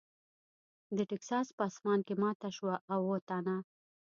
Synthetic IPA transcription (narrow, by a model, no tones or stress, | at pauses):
d̪əʈɛksɑspəɑsmɑnkemɑt̪aʃwaʔːwot̪ana